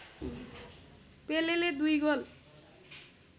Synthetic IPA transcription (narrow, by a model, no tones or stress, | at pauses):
peleled̪ujɡol